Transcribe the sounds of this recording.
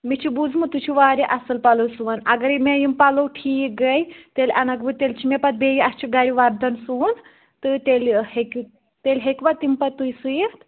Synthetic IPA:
mit͡ʃʰibud͡zmɨt̪ut͡ʃʰuʋaːɾiʔɐsɨlpɐlosuanɐɡɐɾimejimpɐlowʈʰiːk̚ɡɐjt̪elʲɐnɐkbɨt̪elʲt͡ʃʰimepɐt̪̚bejiɐst͡ʃʰiɡɐɾiʋaɾd̪ɐnsuːn | t̪ɨt̪elʲhekʲu | t̪elʲɦekʲʋɐt̪impɐt̪ːujsɨjikt̪

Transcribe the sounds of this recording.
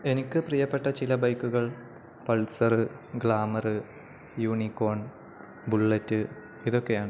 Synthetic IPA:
e̞nikʲːɨprijɐpːe̞ʈːɐt͡ɕilɐbɐjkːuɣɐɭ | pɐlsɐrɨ | ɡɭaːmɐrɨ | juːɳikːo̞ːɳ | buɭːetːɨ | iðo̞kːe̞jaːɳɨ

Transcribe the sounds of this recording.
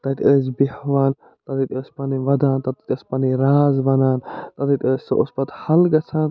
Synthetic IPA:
t̪ɐt̪ʲəːs̬bihʋaːn | t̪ɐt̪it̪ʲəːsʲpɐniʋɐd̪aːnt̪ɐt̪it̪ʲəːspɐniɾaːzbɐnaːnt̪ɐt̪it̪ʲəːssɨʔʊspɐt̪hɐlɡɐt͡sʰãːn

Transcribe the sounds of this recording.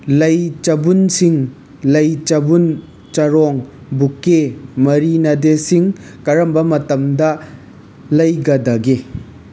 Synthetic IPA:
lɐjt͡ʃɐbunsiŋ | lɐjt͡ʃɐbun | t͡ʃɐɾɔŋ | bukːemɐɾinɐdesiŋ | kɐɾɐmbɐmɐtɐmdɐ | lɐjɡɐdɐɡe

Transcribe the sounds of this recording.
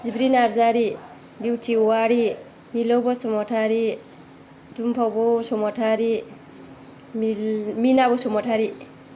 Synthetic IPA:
sibɾinaɾzaɾi | biwtʰiwaɽi | milɔwbɔsɔmɔtʰaɾi | dumpʰɔbɔsɔmɔtʰaɾi | mminabɔsɔmɔtʰaɾi

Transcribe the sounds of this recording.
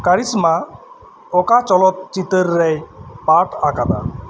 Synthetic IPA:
kaɾisma | ɔkat͡ʃɔlɔt̪̚t͡ʃit̪əɾːɛjpaʈakana̰

